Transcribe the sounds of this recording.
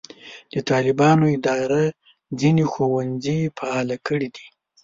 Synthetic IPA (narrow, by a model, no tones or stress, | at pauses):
d̪̥ət̪ɑlɪbɑnoɪd̪ɑɾa | d͡zinexowand͡zifaɑlakəɽid̪i